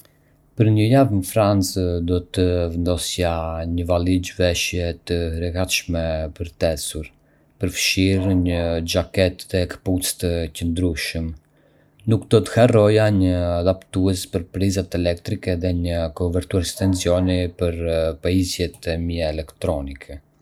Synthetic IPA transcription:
pəɾɲəjavnəfɾant͡sd̪ɔt̪əvənd̪ɔsjaɲəvalid͡ʑvɛʃjɛt̪əɾəkat̪ʃmɛpəɾt̪ɛsuɾ | pəɾfʃiɾɲəd͡ʒakɛt̪ɛkə̥put͡st̪əcənd̪ɾuʃəm | nukd̪ɔt̪ə̥hɛrɔjaɲəad̪apt̪uɛspəɾpɾizat̪ɛlɛkt̪ɾikɛðɛɲəkɔuvɛɾt̪uaɾɛst̪ɛnsjɔnipəɾpaizjɛt̪ɛmiɛɛlɛkt̪ɾɔnikʰɛ

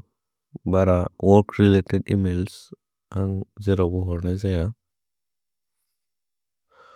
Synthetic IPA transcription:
baɾawɔɾkɾiletɛdḭmels | aŋzɛɾɔbɔɦɔɾnɛzaja

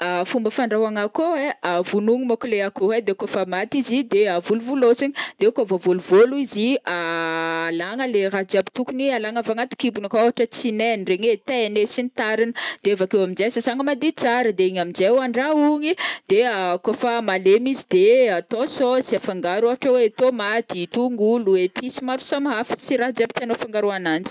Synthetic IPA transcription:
afumbəfaɳɖ͡ʐawaŋakoeavunuŋimokuleakoɦed̪ekofamat̪izid̪eavuluvulosiɲid̪̥eukovovoluvoluiziaː | laŋəleɾad͡ʒabi̥t̪ukunialaŋavaŋat̪i̥kibunakoɦaʈ͡ʂət͡sinenireɲet̪enesinit̪aɾinəd̪̥eevakewaminzesazaŋəmad̪it͡saɾəd̪eiɲamind͡zewaɳɖ͡ʐauŋid̪̥eakofamalemizid̪̥eat̪ososiafaŋɡaɾaɦaʈ͡ʂəwet̪omat̪it̪uŋɡuluepisimaɾu̥samaɦafə̥siɾad͡ʒabi̥t̪anofaŋɡaɾuanand͡ʒi̥

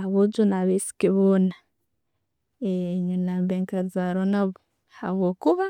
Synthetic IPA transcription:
aβod͡ʒonaβesi̥keβoːna | eɲunaːmbeːŋkaɾizaɾonaβo | ha̰βwoːkuβa

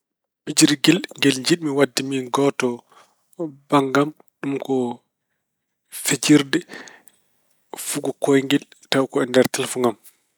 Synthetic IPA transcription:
ɓid͡ʒɾiɡɛlŋɡɛlɲd͡ʒiɗmiwadːimiɡɔtɔ | baŋɡam | ɗumkɔ | fet͡ʃiɾdɛ | fuɡɔkojŋɡɛltawkɔɛndɛɾtɛlfuŋɡam

